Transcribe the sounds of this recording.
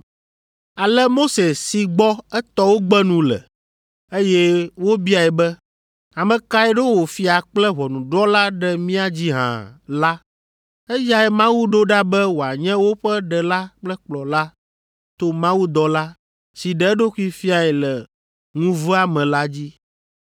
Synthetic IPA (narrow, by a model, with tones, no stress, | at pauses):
a˨lɛ˦mo˦se˨si˨ɡ͡bɔ˦ɛ˦t̪ɔ˦wo˦ɡ͡bɛ˦nũ˨lɛ̰˨ | e˦jɛ˦wo˦bi˦a˨ɛ˨bɛ˦ | a˨mɛ̃˨ka˦ɛ˦ɖo˦wo˨fi˦a˨k͡plɛ˦βɔ˨nũ˨ɖɔ˦la˦ɖɛ˦mĩ˦a˦d͡ʑi˦ɦã̰˨la˦ | ɛ˦ja˦ɛ˨mã˦wu˦ɖo˦ɖa˦bɛ˦wo˨a˨ɲɛ̃˦wo˦ɸɛ˦ɖɛ˨la˦k͡plɛ˦k͡plɔ˨la˦ | t̪o˦mã˦wu˦d̪ɔ˦la˦ | si˨ɖɛ˨˦ɛ˦ɖo˦ku˦i˦fi˦a˨ɛ˨lɛ˨ | ŋũ˦vɛ˦a˨mɛ̃˨la˦d͡ʑi˦